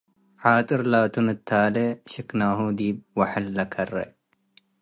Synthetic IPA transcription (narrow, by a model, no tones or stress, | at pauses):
ħaːt̪ʼɨɾlaːt̪unɐt̪ʰːaːleɕɪknaːɦuːd̪iːb̚wɐħɪlːɐkʰɐrːḛ